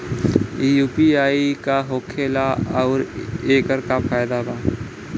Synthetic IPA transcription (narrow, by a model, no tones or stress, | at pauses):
ijuːpiaːikaɦoːkʰeːlaɔːɾeːkəɾkapʰaːjd̪abʱaː